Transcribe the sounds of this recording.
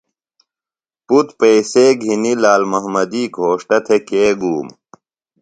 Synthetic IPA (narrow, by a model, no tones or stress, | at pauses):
put̪peːseːɡʱinilaːlmɐɦmɐd̪iːɡʱoːʂʈɐt̪ʰekeːɡuːm